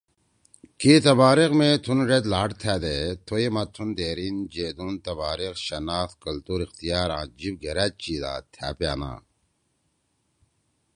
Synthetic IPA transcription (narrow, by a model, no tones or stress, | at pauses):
kit̪ɐbaːɾikmet̪ʰunɾet̪laːʈt̪ʰaːd̪et̪ʰoimɐt̪ʰund̪eːɾind͡ʑeːd̪unt̪ɐbaːɾiqɕɐnaːt̪kɐlt̪uːɾixt̪ijaːɾãːd͡ʑib̚ɡeɾæːt͡ɕiːd̪a̰ːt̪ʰja̰ːpja̰ːna̰ː